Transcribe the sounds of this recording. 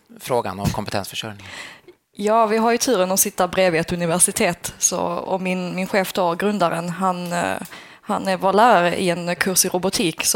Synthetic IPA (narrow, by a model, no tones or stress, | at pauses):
fɾoːɡa̰nɔ̰mkʰɔmpɛt̪ʰɛ̰nsfœʂœɾnɪ | jɑːvɪɦaɾjɵt̪ʰʉ̟ːɾənɔsɪt̪ːabɾeːvɪɛt̪ɵnɪvæʂɪt̪ʰeːt̪sɔ̰ɔ̰mɪnmɪnɧeːft̪ʰɔːɾɡɾɵnd̪aɾənɦan | ha̰næɾvoːlæːɾaɾəʔɪ̰ɛnkʰɵɾʂɪɾʊbʊt̪ʰiːks